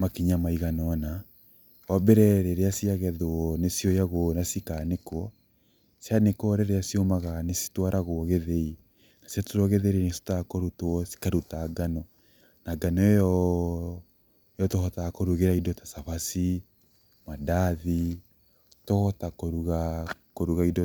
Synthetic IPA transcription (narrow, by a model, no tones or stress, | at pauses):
makiɲamaiɣanɔna | wabɛɾɛɾeɾeasiaɣɛðoɔnesjɔjaɣonasikanekwɔ | sjanekɔɾɛɾeasiomaɣanesi̥twaɾʔaɣoɣeðei | nasatuɾoɣeðeɾinesi̥takoɾutwɔsi̥kaɾutaɡanɔ | naɡanɔɔ | jɔtɔhɔtakoɾuɣeɾaidɔtḁsaβasi | madaði | tɔhɔtakoɾuɣa | koɾuɣaidɔ